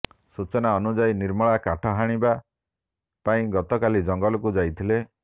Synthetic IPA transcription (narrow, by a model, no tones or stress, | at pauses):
sut͡ʃɔnaɔnud͡ʒajniɾmɔɭakaʈʰɔɦaɽ̃iba | paĩɡɔt̪ɔkalid͡ʒɔŋɡɔlɔkud͡ʒajt̪ʰile